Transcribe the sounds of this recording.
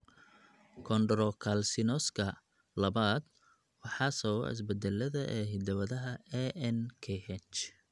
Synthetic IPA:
kʰɔnd̪ɾɔkʰalsɪnɔskʰɐ | lɐβaːd̪ | wɑħɑːsɐw̰ɪ̰s̬bɛd̪ɛlːɐðɐʔɛːɦɪd̪ɐβɐðɐɦɐɛʔɛnkʰɛhɛnt͡ʃ

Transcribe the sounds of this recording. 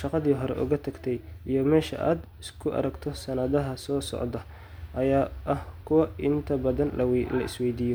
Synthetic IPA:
ʃɑqɑðiːɦɔɾɛ̰ʔʊ̰ɣɐt̪ʰɐɡt̪ʰɛjijɞmɛːʃɐ̰ʔa̰ːd̪ | ɪskʰʊʔɐ̰ɾɐɡt̪ʰɔsɐnɐðɐɦɐsɔːsɔ̰ʕd̪ɐ | ʔɐjaːʔɐhkʰʊwɐʔɪnt̪ʰɐbɐðɐnwlɐ̰ɪ̰swɛjd̪iːjɔ

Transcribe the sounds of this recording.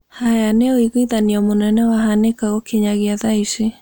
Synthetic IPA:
hajaneoiɣiðaniamonɛnɛwaɦanekaɣɔkeɲaɣiaðaiʃi

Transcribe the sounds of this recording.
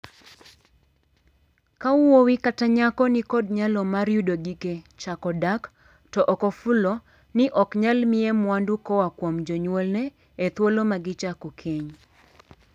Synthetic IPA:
kauwowikataɲakɔnɪkɔdɲalɔmaɾjudoɡiket͡ʃakɔdak | tɔʔɔkɔfulɔ | nɪʔɔkɲalmɪɛmwandukɔwakwomd͡ʒɔɲwɔlnɛ | et̪wolomaɡɪt͡ʃakukʰeɲ

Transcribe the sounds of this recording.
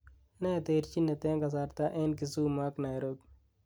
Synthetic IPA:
nat̪eɾt͡ʃinːet̪eːkɐs̬aɾt̪aʔenkisuːmaknajɾok

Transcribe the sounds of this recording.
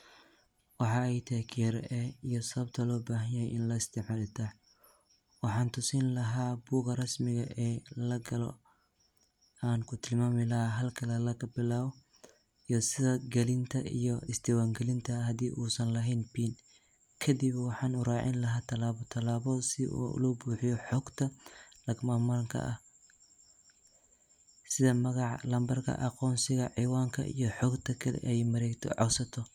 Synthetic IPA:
wɑħɑɛjt̪ʰɐhɛkʰɪɛɾɛijɔsɐβɐb̚t̪ʰɐlɔːbaːɦɐjɐjʔɪnlɐɪst̪ʰɛħmɐlɪt̪ʰa | wɑħɑːnt̪ʰʊsiːnlɐɦaːbuːɣɐrɐsmɪɣɐʔɛːlɐɡɐlɔ̰ | aːŋkʰʊt̪ʰɪlmaːmɪlɐɦaɦɐlkʰɐlɐlɐkʰɐbɪlaːβɔ | ijɔsɪðɐɡɐlɪnt̪ʰɐʔḭjɔɪsd̪ɛwaːŋɡɛlɪnt̪ʰɐɦɐd̪iːʔuːsɐnlɐɦɛjnbiːn | kʰɐd̪ibwɑħɑːnʊɾɑːʕɪ̰nlɐɦaːt̪ʰɐlaːβɔt̪ʰɐlaːβɔsɪṵlɔbuːħijɔħɔːɡt̪ʰɐlɐɡmaːmɐŋkʰɐ̰ʔɐh | sɪðɐmɐɣɑʕlɐmbɐrkʰɐ̰ʔɐqɔːnsɪɣɐʕiːwaːŋkʰɐ̰ʔḭjɔħɔːɡt̪ʰɐkʰɐlɛ̰ʔɛjmɐɾɛːɡt̪ʰɔ̰ʕɔsɐt̪ʰɔ

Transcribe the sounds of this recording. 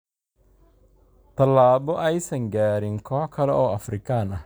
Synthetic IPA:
t̪ʰɐlːaːbɔʔɛjsɐŋɡaːɾɪŋkʰɔːħkʰɐlɛʔɔːɐfrɪkʰɐnɐ

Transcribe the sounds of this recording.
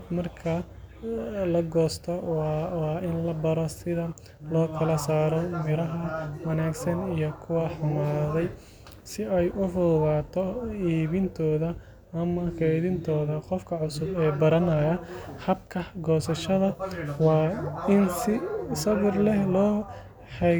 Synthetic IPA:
mɐrkʰɐ | lɐɡɔːst̪ʰɔwɑːʔɪnlɐbɐɾɔsɪðɐ | lɔːkʰɐlɐsaːɾɔmɪɾɐɦɐwɐnaːɡsɐnijɔkʰʊwɐħʊmaːðɛj | sɪʔɛjʔʊrʊːɣaːt̪ʰɔiːβɪnt̪ʰɔːðɐː | mɐkʰɛðɪnt̪ʰɔːðɐqɔfkʰɐʕʊsʊbɛːbɐɾɐnɐjɐhɐbkʰɐɡɔːsɐʃɐðɐwɑːɪnsɪsɐβɪrlɛhlɔː | ħɛ

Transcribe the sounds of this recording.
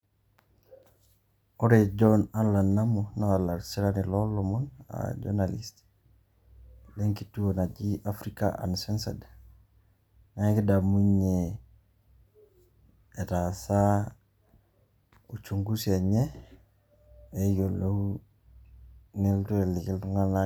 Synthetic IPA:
oɾeɟonanlanːamonawalaɾsiɾanilolːomona̰ɟo̰nalist | leŋkituonaɟiʔafɾikaʔa̰nsensa̰d | naŋkidamuɲe | etasa | ut͡ʃuŋɡuseɲe | ejolou | niltuelikiltuŋana

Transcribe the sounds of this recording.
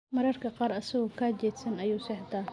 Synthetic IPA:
mɐɾɐrkʰɐqɑːɾɐsɐɣɔkʰaːt͡ʃɛːd̪sɐnɐjuːsɛħd̪ɐ

